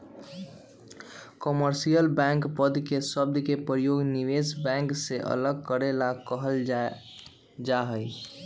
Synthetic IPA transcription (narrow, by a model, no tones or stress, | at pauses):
kəməɾsijəlbɛ̃ŋkpəd̪kesəb̚d̪kepəɾjoɡniʋesbɛ̃ŋkseʔə̰ləɡ̚kəɾelakəɦəl | d͡ʒaɦəj